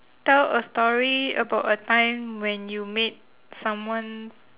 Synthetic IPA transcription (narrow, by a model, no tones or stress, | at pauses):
tɛləstɔɹiə̰baʊtətãɪ̃mwɛ̃njumet̚ | sãmwãn